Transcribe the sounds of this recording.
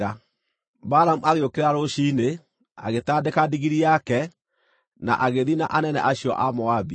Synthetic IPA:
a | baɾamuaɣeokeɾaɾoʃiːne | a̰ɣetadekadiɣiɾiakɛ | na̰ʔaɣeðina̰ʔanɛnɛ̰ʔaɕiɔ̰ʔamɔabi

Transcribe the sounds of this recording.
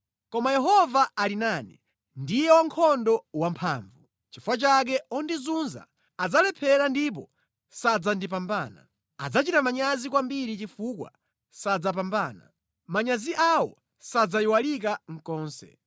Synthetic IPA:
kɔmajɛɦɔvaalinanɛ | ndijɛwaŋkʰɔndɔwampʰa̰ːɱvu | t͡ʃifuwat͡ʃak̬ɛɔndizunza̰ | ad͡zalɛpʰɛɾandip̬ɔ | sad͡zandip̬ambaːna̰ | a̰d͡zat͡ʃitamaɲazikwambiɾit͡ʃifuːkwa̰ | sad͡zap̬ambaːna̰ | maɲaziʔawɔ̰ | sad͡zaiwalik̬aŋ̩kɔːnsɛ̰

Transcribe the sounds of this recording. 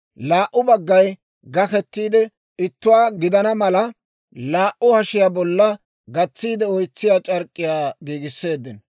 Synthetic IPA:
laːʔːʊbɐɡːɐj | ɡɐkɛt̪ːiːd̪ɛ | ɪt̪ːʊwaːɡɪd̪ɐnɐmɐlɐ | laːʔʊhɐʃɪjabɔlːɐ | ɡɐt͡sːiːd̪ɛɔjt͡sːɪjaːt͡ʃʼɐɾkʼːɪjaːɡiːɡɪsːe̞ːd̪ːɪn

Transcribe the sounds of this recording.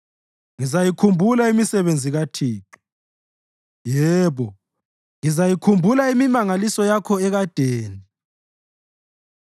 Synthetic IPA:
ŋizajikʰumbʱulaimisɛβend͡zʱiɣatʰiːǁu | jɛːβɔ | ŋizajikʰumbʱulaimimaŋalisɔjakʰɔɛɣad̥ʱeːni

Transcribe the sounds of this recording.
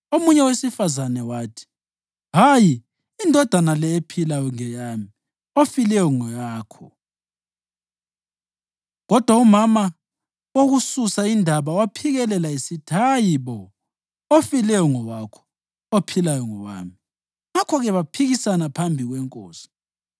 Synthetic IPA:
omuɲɛwesifazanɛwaːtʰi̥ | ɦajiː | ndʱɔd̥ʱanalɛepʰilajɔŋɛjami | ofilɛjɔŋɔjaːkʰɔ | ɣɔd̥ʱwaumama | woɣususaindʱaβawapʰiɣɛlɛlaisitʰajiβɔ | ofilɛjɔŋɔɣakʰɔ̥ | opʰilajɔŋɔwa̰ːmi | ŋakʰɔɣɛβapʰiɣisanapʰambʱiɣwɛŋkʼo̰ːsi̥

